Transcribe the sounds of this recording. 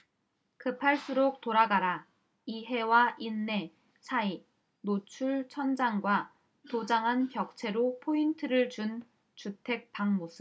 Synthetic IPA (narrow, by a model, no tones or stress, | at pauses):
kɯpʰaɭs͈uɾok̚t͈oɾaɡaɾa | iɦe̞waʔinːe̞ | sʰai | not͡ɕʰuɭt͡ɕʰʌnd͡ʑaŋɡwa | tod͡ʑaŋɦanpjʌk̚t͡ɕʰe̞ɾopʰointʰɯɾɯɭt͡ɕun | t͡ɕutʰe̞k̚paŋmosʰɯ